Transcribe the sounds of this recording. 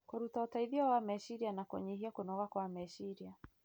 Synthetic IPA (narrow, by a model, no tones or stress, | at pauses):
kɔɾutaɔtaiðiawamɛʃiɾianakɔ̰ɲiɦiakunɔɣakwamɛʃiɾia